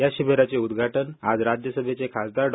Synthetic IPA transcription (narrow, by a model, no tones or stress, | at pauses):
jaɕibeɾat͡seud̪ɡʱaʈənad͡zɾad͡ʑjəsəbʱet͡sekʰasd̪aɾɖ